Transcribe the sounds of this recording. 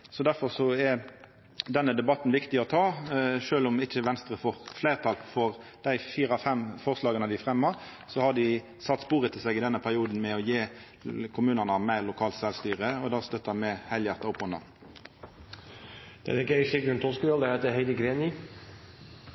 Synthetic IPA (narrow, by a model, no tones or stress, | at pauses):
sɔd̪æʁfɔʁsɔɛ | d̪ɛnːəd̪ɛbɑt̪n̩ʋɪkt̪ɪɔt̪ʰɑːʃøːlʊmɪçəʋɛnst̪ʁəfɔɾfleɪʁt̪ʰɑlfɔʁd̪̥æɪfiːɾɑfɛmfɔʁslɑːɡənəd̪ɪfʁɛmːəʁ | sɔhɑd̪ɪ | sɑt̪ːspuːʁət̪ʰɪlsɛɡɪd̪ɛnːəpʰæʁɪuːd̪n̩mɛɔjeː | kʰʊmʉːnənɑmæɪʁlʊkʰɑːlt̪sɛlst̪yːʁəɔd̪ɑːst̪œt̪ːɑmɛhæɪljæʁt̪ɑʊpːɔnd̪ɑ̰n | d̪̥ɛ̰ɾɪkːeʃɪɡɾʉnt̪ʰɔskəʋøld̪ɛheːt̪əheɪd̪əɡɾeːni